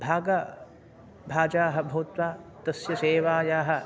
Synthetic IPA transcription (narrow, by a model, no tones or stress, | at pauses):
bʱaːɡɐ | bʱaːd͡ʒaːɦɐ̆bʱɐwt̪ʋaːt̪ɐsjɐseːʋaːjaːɦɐ̆